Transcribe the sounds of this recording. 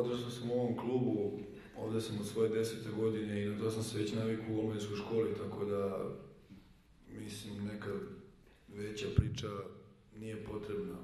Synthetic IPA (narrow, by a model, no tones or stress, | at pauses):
od̪rʒasamuo̞ʋo̞mkluːbu | o̰ʋd̪esamod̪sʋo̞je̞d̪e̞set̪eɡo̞d̪ine̞inat̪o̞samseʋet͡ɕnaʋikouolmeisko̞jʃko̞ːlit̪ako̞d̪a | mislimneka | ʋet͡ɕapɾiːt͡ʃa | nije̞po̞t̪ɾebna